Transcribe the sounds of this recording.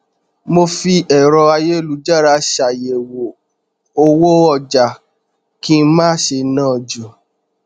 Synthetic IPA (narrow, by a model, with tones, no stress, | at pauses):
mo˧fi˧ɛ˨ɾɔ˧a˧je˦˨lu˨˦d͡ʒa˦˨ɾa˧ʃa˨je˨wo˨ | o˧wo˦ɔ˧˨d͡ʒa˨ | kĩ˦mãː˦ʃe˧nãː˦˨d͡ʒu˨